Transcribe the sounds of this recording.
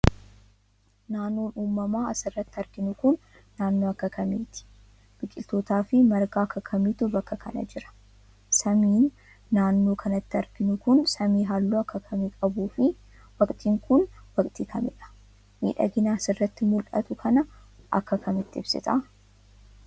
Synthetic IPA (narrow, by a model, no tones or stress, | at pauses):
naːnːoːnuːmːɐmaːɐsɪrːɐt̪ːɪɐɾɡ̥ɪnʊkʊnː | aːnːo̞ːɐkːɐkʰɐmiːt̪ɪ̥ | b̥ɪkʼːɪlt̪o̞ːt̪aːfɪmɐɾɡaːɐkːɐkʰɐmɪt̪ʊbɐkːɐkʰɐ̰nɐ̰d͡ʒɪɾɐ̥ | sɐmiːnː | aːnːo̞ːkʰɐnɐt̪ːɪɐɾɡ̥ɪnʊkʊnsɐmiːɦaːlːuːɐkːɐkʰɐmikʼɐbuːfɪ | wɐkʼt̪ʼiːŋkʊnwɐkʼt̪ʼiːkʰɐmɪᶑɐ̥ | mḭːᶑɐ̰ɡɪnaːsɪrːɐt̪ːɪmʊlʔɐ̰t̪ʊkʰɐnɐʔɐ̰kːɐkʰɐmɪt̪ːɪɪb̥sɪ̰t̪ʼɐ